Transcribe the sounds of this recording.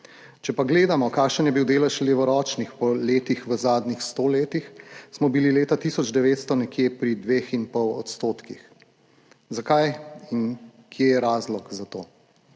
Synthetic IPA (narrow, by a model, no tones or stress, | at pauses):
t͡ʃɛpaɡleːd̪amɔkaːkʃənjɛbiwd̪eːlɛʃleːʋɔɾɔːt͡ʃnixpɔleːt̪ixʋəzaːd̪nixst̪oːleːt̪ixsmɔbilileːt̪at̪isɔd͡ʒd̪ɛʋeːt̪st̪ɔnɛkjeːpɾid̪ʋeːxinpɔwɔ̰t̪st̪oːt̪kix | zakajin | kʰjejɛɾaːzlɔkzat̪oː